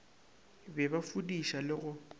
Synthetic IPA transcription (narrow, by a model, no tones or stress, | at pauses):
bɛbafudiʃalɪɣʊ